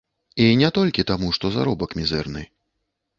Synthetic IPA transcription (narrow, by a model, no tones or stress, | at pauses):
inʲɛt̪ɔlʲkʲit̪amuʂt̪ɔza̰ɾɔbɐkmʲizɛrnɨ